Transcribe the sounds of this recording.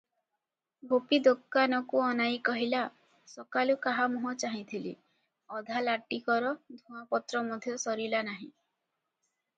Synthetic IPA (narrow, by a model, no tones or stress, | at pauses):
bʱopid̪okːanɔkuɔnajkɔɦila | sɔkalukaɦamuɦɔt͡ʃaɦĩt̪ʰilḭ | ɔd̪ʱalaʈikɔɾɔd̪ʱũapɔt̪ɾɔmɔd̪ʱjɔsɔɾilanaɦĩ